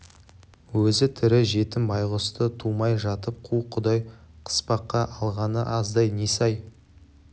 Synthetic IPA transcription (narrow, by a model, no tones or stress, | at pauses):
wɵzɪt̪ʰʏɾɪʒe̞t̪ɪmbɑjʁʊst̪ət̪ʰumɑjʒɑt̪əp̚qʰuqʰʊd̪ɑj | qʰə̥spɑqːɑʔɑlˠʁɑnəʔɑzd̪ɑjne̞sɑj